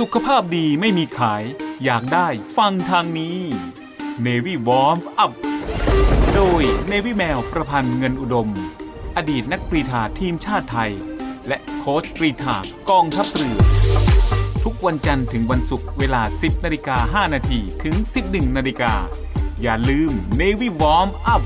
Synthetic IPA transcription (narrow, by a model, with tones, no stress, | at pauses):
su˨˩kʰːa˧pʰaː˥˩p̚diː˧ma˥˩jmiː˧kʰaː˩˦jːaː˨˩k̚daː˥˩jfa˧ŋt̪ʰaː˧ŋniː˦˥ | neː˧wiː˥˩wɔː˦˥mʔa˦˩p̚ | doː˧jneː˧wi˦˥˩mɛː˧wpɾa˧pʰa˧nŋɤ˧nʔu˨˩do˧m | ʔa˧diː˨˩t̪̚na˦˥k̚pɾiː˧t̪ʰaː˨˩t̪ʰiː˧mt͡ɕʰaː˥˩t̪ʰːa˧jlɛ˦˥ʔkʰoː˦˥sɾiː˧t̪ʰaː˨˩kɔː˧ŋt̪ʰa˦˥p̚ɾɯ˨˩ən̚ | t̪ʰu˦˥k̚wa˧nt͡ɕa˧nt̪ʰɯ˩˦ŋwa˧nsu˨˩k̚weː˧laː˧si˨˩p̚naː˧li˧kaː˧ɦaː˥˩naː˧t̪ʰiː˧t̪ʰɯ˩˦ŋsi˨˩p̚nɯ˨˩ŋnaː˧liː˧kaː˧ | jaː˨˩lɯː˧mneː˧wi˥˩wɔː˦˥mʔa˦˥˩p̚